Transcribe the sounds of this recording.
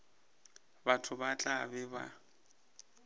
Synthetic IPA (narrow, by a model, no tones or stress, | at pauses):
batʰʊbat͡ɬʼabɛba̰